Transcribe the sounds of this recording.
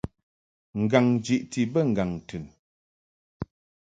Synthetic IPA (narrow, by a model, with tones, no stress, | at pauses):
ŋ̩˨ɡa˨ŋd͡ʒi˨ʔti˨bə˦˨ŋ̩˨ɡa˨ŋ˨tʰʉ˨n